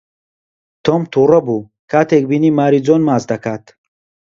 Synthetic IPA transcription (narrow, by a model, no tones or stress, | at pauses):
t̪ʰɔmt̪ʰuɾəbu | kʰat̪ʰek̚binimaɾid͡zɔnmazd̪akʰat̪ʰ